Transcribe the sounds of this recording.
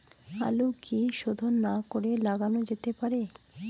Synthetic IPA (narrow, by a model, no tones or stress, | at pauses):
a̰lokiʃod̪ʱonːakoɾelaɡanod͡ʑet̪epaɾe